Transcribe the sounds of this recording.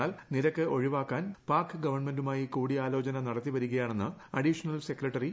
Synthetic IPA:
aːlniɾɐkːɨʔo̞ɻiʋaːkːaːnpaːrkɨɡɐʋɐrɳme̞ndumaːjikuːɽiaːlo̞ːt͡ɕɐnɐnɐɽɐt̪ːiʋɐɾuɣɐjaːɳe̞nːɨɐɽiʂɐnɐlse̞kːrɐʈːɐri

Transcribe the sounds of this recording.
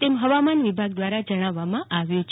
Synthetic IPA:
t̪emɦəʋamanʋibʱaɡ̚d̪ʋaɾad͡ʒəɽ̃aʋːamãʔaʋjũt͡ʃʰ

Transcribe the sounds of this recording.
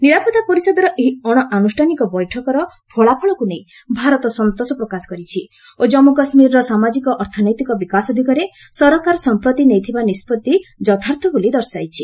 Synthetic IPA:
niɾapɔd̪apɔɾisɔd̪ɔɾɔʔeɦiɔɽ̃ɔʔanusʈʰanikɔbɔjʈʰɔkɔɾɔ | pʰɔɭapʰɔɭɔkunej | bʱaɾɔt̪ɔsɔnt̪osɔpɾɔkasɔ̥kɔɾit͡ʃʰi | od͡ʒɔmukɔsmiɾɔɾɔsamad͡ʒikɔʔɔɾt̪ʰɔnɔjt̪ikɔbikasɔd̪ʱikɔɾesɔɾɔkaɾɔsɔmpɾɔt̪inejt̪ʰibanispɔt̪ːid͡ʒɔt̪ʰaɾt̪ʰɔbolid̪ɔɾsajt͡ʃʰi

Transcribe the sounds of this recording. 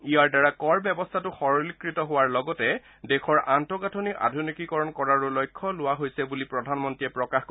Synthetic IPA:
ijaɹdaɹakɔɹbjɛbɔstʰatʊxɔɹɔlikɹitɔɦʊwaɹlɔɡɔtɛ | dɛxʰɔɹantɔɡatʰonika̰dʱunikikɔɹɔnkɔɹaɹulɔjkʰːɔlʊwaɦojsɛbulipɹɔdʱanmɔntɹiɛpɹɔkaxk

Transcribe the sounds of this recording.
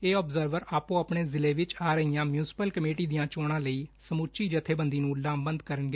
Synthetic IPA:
eːɔːbzəɾʋəɾaːpõːəpɳeːzɪleːʋɪt͡ʃaːɾəɦijãːmjuːsɪ̥pəlkəmeːʈiːd̪ijãːt͡ʃoːɽ̃ãːləiːsəmut͡ʃiːd͡ʒət̪ʰːeːbənd̪iːnũːlaːmbənd̪kəɾənɡeː

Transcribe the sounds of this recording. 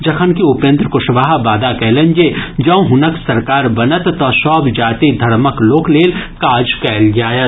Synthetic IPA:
d͡ʒɐkʰənkiʊpjə̃nt̪ɾəkʊʃʋaːɦbaːd̪akɛːlə̃nd͡ʒed͡ʒɐ̃ũɦʊnəksɐɾkaːɾbɐnət̪ːɔːsɔːbd͡ʒaːt̪id̪ʱɐɾməkloːkleːlkaːd͡ʒkɛːld͡ʒaːjət̪

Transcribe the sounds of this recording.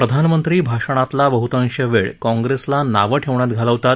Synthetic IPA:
pɾəd̪ʱanmənt̪ɾiːbʱaʂəɽ̃at̪labəɦut̪ə̃ŋɕəʋeɭkɔ̃ŋɡɾeslanaʋəʈʰeʋɳ̃at̪ɡʱaləʋt̪at̪̚

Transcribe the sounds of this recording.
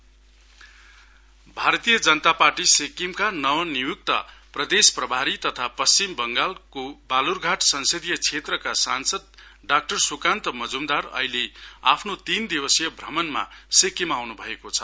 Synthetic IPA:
bʱaɾʌt̪ijʌd͡zʌnʌt̪aparʈisekimkanʌwʌnijuk̚t̪ʌ̰prʌd̪esprʌbʱaɾit̪ʌt̪ʰapʌst͡simbʌŋɡalkobalurɡʱaʈsʌnsʌd̪ijʌt͡sʰet̪rʌkasansʌd̪̚ɖak̚ʈʌrsukant̪ʌmʌd͡zumd̪arʌ̰ɦilea̰pʰnot̪ind̪iwʌsijʌbʱrʌmʌnma̰sekimawnubʱʌekot͡sʰʌ̥

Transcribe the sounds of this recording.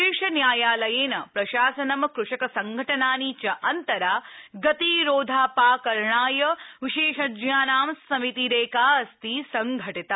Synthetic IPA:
eːʂɐnjaːjaːlɐjeːnɐpɾɐʃaːsɐnɐmkɾuʂɐkɐsɐŋɡʱɐʈɐnaːniːt͡ʃɐʔɐnt̪ɐɾaːɡɐt̪iɾoːd̪ʱaːpaːkɐɾɳaːjɐʋiʃeːʃɐd͡ʒjaːnaːmsɐmit̪iɾeːkaːɐst̪isɐŋɡʱɐʈit̪ɐ

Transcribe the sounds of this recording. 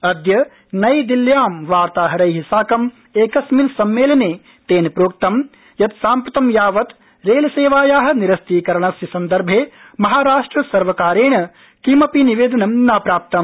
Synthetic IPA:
ɐd̪jɐ | nɐjd̪iljaːmʋaːɾt̪aːɦɐɾɐjɦisaːkɐm | eːkɐsminsɐmːeːlɐneː | t̪eːnpɾoːk̚t̪ɐm | jɐt̪saːmpɾɐt̪ɐmjaːʋɐt̪ | ɾeːlɐseːʋaːjaːɦɐ̆niɾɐst̪iːkɐɾɐɳɐsjɐsɐnd̪ɐɾbʱeː | mɐɦaːɾaːʂʈɾɐsɐɾʋɐkaːɾeːɳɐ | kimɐpiniʋeːd̪ɐnɐmnaːpɾaːp̚t̪ɐm

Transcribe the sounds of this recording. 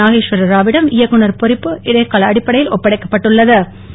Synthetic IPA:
aːɣeːʂʋɐɾɐɾaːʋɪɽɐmɪjɐkːɯnɐɾpɔɾɪpːɯʔɪɽɐjkːaːɭɐɐɽɪpːɐɽɐjɪlɔpːɐɽɐɪkːɐpːɐʈːɯɭːɐðɯ

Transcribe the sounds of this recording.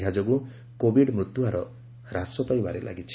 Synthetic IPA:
ɦad͡ʒɔɡu | kobiɖmɾut̪juaɾɔ | ɾasɔpajbaɾelʔa̰ɡit͡ʃʰi̥

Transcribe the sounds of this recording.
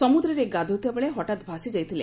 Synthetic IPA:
ɔmud̪ɾɔɾeɡad̪ʱɔt̪iabeɭeɦɔʈat̪bʱasid͡ʒajt̪ʰilḛ̃

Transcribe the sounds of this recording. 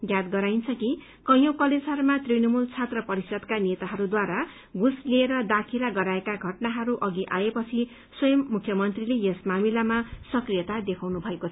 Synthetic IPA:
jjad̪ɡʌɾajnt͡sʰʌki | kʌjokʌlesaɾmat̪rinʌmult͡sʰat̪rʌpʌɾisʌd̪kanet̪aɦʌɾud̪waɾa | ɡusleːɾʌd̪akʰeɾaɡʌɾaekaɡʱʌʈnaɦʌɾuʔʌɡiʔaepʌt͡sʰi | swʌjʌmːukʰjʌmʌnt̪rilejesmamilamasʌkrijʌt̪ad̪ekʰawnubʱʌekot͡sʰʌ

